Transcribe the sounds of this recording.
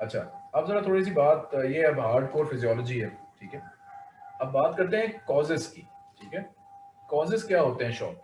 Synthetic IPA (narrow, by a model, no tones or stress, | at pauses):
ɐtːʃʰa̰ɐbzɐɾat̪ʰoːɽis̬ibaːt̪jeɐbɦaːɾɖkoːɾfɪzijɔːləd͡ʒiɦɛʈʰiːkɦɛː | ɐbːaːt̪kɐɾt̪̬ẽɦɛ̃kɔːzɪzkiːʈʰiːkɦɛː | kɔːzɪzkjaːɦoːt̪eɦɛ̃ʃɔ̰ːp̚